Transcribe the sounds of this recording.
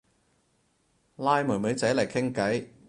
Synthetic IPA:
laː˥jmuː˨˩mu˨˧˥jt͡sɐ˨˥lɐ˨˩jkʰɪ˥ŋkɐ˨˥j

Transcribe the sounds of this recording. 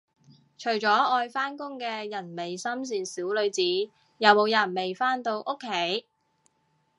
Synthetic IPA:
t͡ʃʰɵ˨˩ɥt͡ʃɔː˨˥ɔː˧jfaː˥nkʊ˥ŋkɛː˧jɐ˨˩nme˨jsɐ˥ms̬iː˨nsiː˨˥wlɵ˨˧ɥt͡siː˨˥ | jɐ˨wmo˨˧wjɐ˨˩nme˨jfaː˥nt̪o˧wʔʊ˥kʰːe˨˥j

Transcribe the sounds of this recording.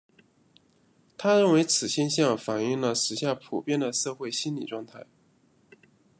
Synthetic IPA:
t̪ʰa˥ɻə˥˩nwe˧˥ɪt͡sʰɹ̩˨˩ɕjɛ˥nɕjɑ˥˩ŋfa˨˩ni˥˩ŋlə˨˩ʂɻ̩˧˥ɕja˥˩pʰu˨˩pjɛ˥˧nd̪ə˩sɤ˥˧xwe˥˩ɪɕi˥nlḭ˨˩ʈ͡ʂwɑ˥˧ŋt̪ʰa˥˩ɪ

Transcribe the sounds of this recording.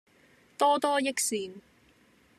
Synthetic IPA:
t̪ɔː˥t̪ɔː˥jɪ˥k̚siː˧n

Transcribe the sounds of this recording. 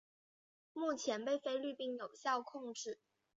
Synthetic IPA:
mu˥˩t͡ɕʰjɛ˧˥npe˥˩ɪfe˥ɪly˥˧pi˥˩njo˨˩ʊɕjɑ˥˧ʊkʰʊ˥˧ŋʈ͡ʂɻ̩˥˩

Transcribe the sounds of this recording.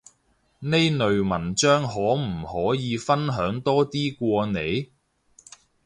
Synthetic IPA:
ne˥jnɵ˨ɥmɐ˨˩nt͡ʃœː˥ŋɦɔː˨˥m̩˨˩hɔː˨˥jiː˨˧fɐ˥nɦœː˨˥ŋt̪ɔː˥t̪iː˥kʷɔː˧ne˨˧j

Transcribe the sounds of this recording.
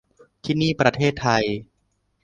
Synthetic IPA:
t̪ʰiː˥˩niː˥˩pɾa˧t̪ʰeː˥˩t̪ʰːa˧j

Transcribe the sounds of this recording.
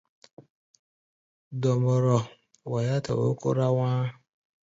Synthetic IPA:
dɔ˨mɔ˨ɾɔ˨ | wa˨ja˦tɔ̰˨o̰˦ko̰˦ɾa˦wʷaː˦

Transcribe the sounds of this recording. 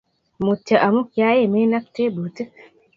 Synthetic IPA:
mu˨tə˨ʔa˨mu˦kja˨˦je˦˨me˦na˦k̚te˦bo˨tə˦

